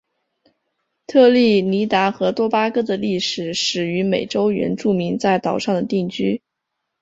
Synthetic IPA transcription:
t̪ʰɤ˥˧li˥˩ni˧˥t̪a˧˥xɤ˧˥t̪wɔ˥pa˥kɤ˥d̪ə˨li˥˩ʂɻ̩˨˩ʂɻ̩˨˩y˧˥me˨˩ɪʈ͡ʂo˥ʊɥɛ̰˧˥nʈ͡ʂu˥˩mi˧˥ŋt͡sa˥˩ɪt̪ɑ˨˩ʊʂɑ˥˩ŋd̪ə˩t̪i˥˩ŋt͡ɕy˥

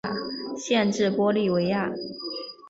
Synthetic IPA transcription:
ɕjɛ˥˧nʈ͡ʂɻ̩˥˩pwɔ˥li˥˩we˧˥ɪa˥˩

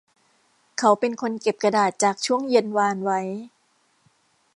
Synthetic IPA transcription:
kʰa˦˥wpe˧nkʰo˧nke˨˩p̚ka˧daː˨˩t̪̚t͡ɕaː˨˩k̚t͡ɕʰu˥˩əŋje˧nwaː˧nwa˦˥j

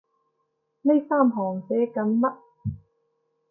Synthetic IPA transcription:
ne˥jsaː˥mɦɔː˨˩ŋt͡sɛː˨˥kɐ˨˥nmɐ˥t̚

